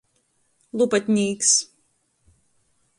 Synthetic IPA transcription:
lˠupat̪ʲnʲiːks

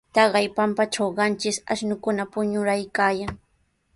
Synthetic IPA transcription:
t̪ɑɢɑjpampaʈ͡ʂawɢɑnt͡ʃɪsa̰ʃnʊkʊnapʊɲʊɾajkaːjaŋ

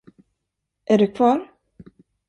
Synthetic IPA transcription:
ʔæɖɵkʰvɑːɾ

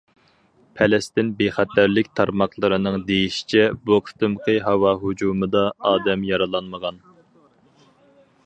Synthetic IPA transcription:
pʰɛlɛst̪ɪnbeχæt̪ʰæɾlɪkʲt̪ʰɑɾmɑqlˠɨɾɨnɨŋd̪ejiʃi̥t͡ʃʰɛboqʰt̪ʰɨmqʰəɦɑwɑɦud͡ʒumɨd̪ɑɑːd̪ɛmjɑɾɨlˠɑnməʁɑn

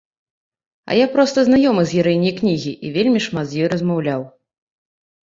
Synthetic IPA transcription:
ɐ̰japɾɔst̪ɐznajɔmɨzʲjʲɛɾɛjnʲijknʲiɣʲiʔivʲelʲmʲiʂmat̪zʲjɔjɾɐzmawlʲaw

